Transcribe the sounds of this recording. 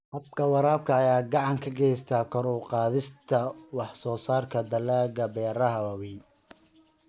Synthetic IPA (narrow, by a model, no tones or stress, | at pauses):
hɐb̚kʰɐwɑɾaːb̚kʰɐːjaːɡɑʕɑŋkʰɐɡɛjst̪ʰaːkʰɔɾuqɑːðɪst̪ʰɐwɑħsɔːsaːrkʰɐd̪ɐlaːɣɐbɛːɾɐɦɐwɐwin